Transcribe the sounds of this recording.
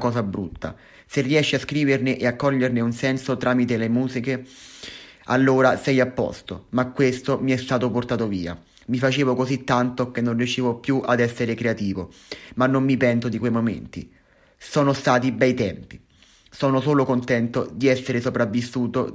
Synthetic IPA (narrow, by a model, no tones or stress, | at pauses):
kɔːzabɾṵt̪ːa̰ | serːiɛʃːiaskɾiːverneʔeakːɔʎːerneunsɛnsot̪ɾaːmit̪elemuːzike | a̰lːoːɾasɛjapːɔ̰st̪o̰makːwest̪omiɛst̪aːt̪oport̪aːt̪oviːa̰ | mifat͡ʃeːvokozit̪ːant̪ok̟enːõnrjut͡ʃiːvopjuʔad̪ɛsːeɾekɾeat̪iːvo | manːomːipɛnsod̪ikwejmomḛnt̪ḭ | sɔːnost̪aːt̪̬ibɛjt̪ɛmpi | sɔːnosoːlokont̪ɛnt̪od̪iɛsːeɾesopɾavːisːuːt̪o̰